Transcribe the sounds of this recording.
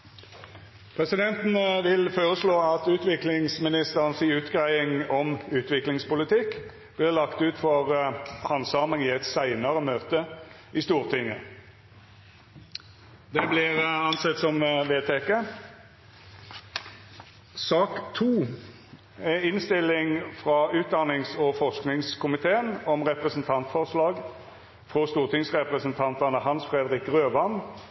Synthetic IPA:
pʰʁɛsɪd̪ɛnt̪n̩ʋɪlfoːʁəsloːɑt̪ʉːt̪ʋɪklɪŋsmɪnɪst̪əʁnsɪʉːt̪ɡʁæɪɪŋɔmʉːt̪ʋɪklɪŋspʊlɪt̪ʰɪkː | b̥lɪːʁlɑkt̪ʉːt̪fɔʁhɑnsɑːməŋiːɛt̪sæɪnɑʁəmøːt̪ə | ʔɪst̪uːʁt̪ʰɪŋːə̰ | d̪ɛblɪʁɑnsɛt̪ːsɔmʋeːt̪ʰɛkə | sɑːkt̪ʰuː | ɛɪnst̪ɪlːɪŋfʁɑʉːt̪̚d̪ɑnɪŋsɔfɔʁsknɪŋskʰʊmɪt̪ʰeːənɔmʁɛpʁəsnt̪ʰɑnt̪fɔʁslɑːɡ | fʁɔst̪uːʁt̪ʰɪŋsʁɛpʁəsnt̪ʰɑnt̪ɑnəhɑnsfʁɛːd̪ʁɪkʁøːʋɑn

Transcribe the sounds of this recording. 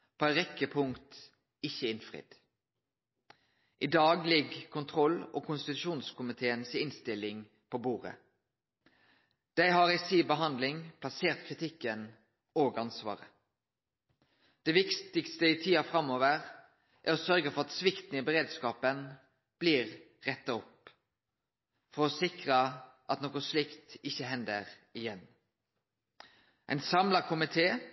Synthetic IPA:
pʰoːæʁɛkːəpʰʊŋkt̪ | ɪçːəɪnfʁɪ̰ːd̪̥ | ʔɪd̪ɑːɡlɪɡkʰʊnt̪ʰʁɔlːokʰʊnst̪ɪt̪ʉʃuːnskʰʊmɪt̪ʰeːənsɪnst̪ɪlɪŋ | pʰobuːʁə̰ | d̪̥æɪɦɑʁɛɪsiːbəɦɑnd̪lɪŋpʰlɑseːʁt̪kʰʁɪt̪ʰɪkːən | oːɡɑnsʋɑ̰ːʁə | d̪̥ɛʋɪkt̪ɪkst̪əɪt̪ʰiːɑfɾɑmːoːʋəʁ | ʔæɾɔsœɾɡəfɔʁɑt̪sʋɪkt̪n̩ɪbəʁeːd̪skɑːpən | b̥liːʁ | ʁɛt̪ːɑɔp | fɔɾɔsɪkʁəʔɑ̰t̪noːkɔslɪkt̪ɪçəɦɛnd̪əʁ | ɪjɛn | ʔæ̰ɪnsɑmlɑkʰʊmɪt̪ʰeː

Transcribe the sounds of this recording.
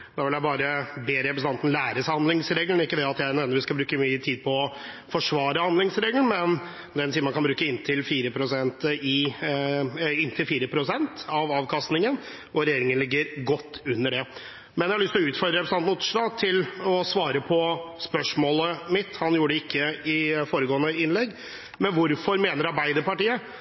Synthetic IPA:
d̪ɑːʋɪljæɪbɑːɾəbeːɾɛpɾəsnʰɑnt̪n̩læːɾəsæhɑnd̪ɪŋsɾeːɡlənɪkːəd̪ɛɑt̪jæɪneːnəɾʋɪskɑbɾʉːkəmyːət̪ʰiːd̪̚pʰɔɔ | fɔʂʋɑːɾəhɑnd̪ɪŋsɾeːɡlənmɛn | d̪ɛnsiːəɾmɑnkʰɑnbɾʉːkəɪnːt̪ʰɪlfiːɾəpʰɾʊsɛnt̪ɪ | ɪnːt̪ʰɪlfiːɾəpʰɾʊsɛnt̪ɑʋɑːʋkʰɑst̪nɪŋən | ʔɔɾɛjeːɾɪŋənlɪɡːəɾɡɔt̪ːʉnːəɖɛ | mɛnjɛhɑɭʏst̪lɔʉːt̪fɔɾd̪ɾəɾɛpɾsɑmʊːt̪ːəʂlɑːt̪ʰɪlɔsʋɑːɾəpʰɔspœʂmoːləmɪt̪ːhɑnjuːɖɛɪkʰːəɪfoːɾəɡoːənəɪnlɛɡː | mɛnʋʊɾfɔɾmeːnəɾɑɾbæɪd̪əɾpɑʈiːə

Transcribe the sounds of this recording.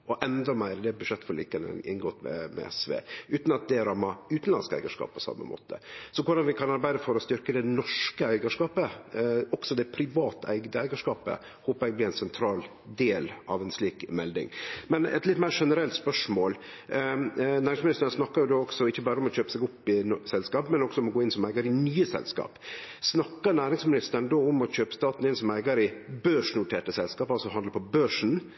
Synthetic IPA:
ʔɔʔɛnd̪ɔmæɪɾəd̪ɛbʉd̪ʂɛt̪ːfɔɾɭḭːkɑnə̰nɪ̰nɡoːt̪mɛ̰mɛ̰ɛ̰sʋḛːʔʉːt̪nɑt̪̚d̪ɛɾɑmːɑʉːt̪n̩lɑ̰nskæ̰ɪɡəʂkɑ̰ːpʰɔsɑ̰mːə̰mo̰ːt̪ʰə̰sɔkʰʊɖɑnʋɪkʰɑnɑɾbæɪd̪əfɔɾɔst̪ʏɾkəd̪ɛnɔʂkəæɪɡəʂkɑːpəɔɡ̥sɔd̪ɛpʰɾɪʋɑːt̪æ̰ɪɡd̪əæɪɡəʂkɑːpə̰ | hoːpəɾɛɪɡ̚blɪæɪnsɛnt̪ʰɾɑːl | d̪eːlʔɑʋɛnsliːkmɛld̪ɪ̰ŋmɛnɛ̰t̪lɪt̪mæɪːɾʂɛnəɾɛlt̪spœʂmoːl | næːɾɪŋsmɪnɪst̪əɾnsnɑkːɑɾjʊd̪oːɔksɔɪçːəbɑːɾəɔmɔçøːpəsɛɡʊpːɪsɛlskɑːpmɛnɔɡ̥sɔʊmɔɡoːɪnsɔmæɪɡɑɾɪnyːəsɛ̰lskɑ̰ːpsnɑkːəɾnæːɾɪŋsmɪnɪst̪əɾɳd̪oːʊmɔçøːpə̥st̪ɑːt̪nɪnsɔmæɪɡəɾɪbøːʂɳ̩ʊʈʰeːʈəsɛlskɑːpɑlsɔɦɑnd̪əɾpʰɔbøːʂn̩

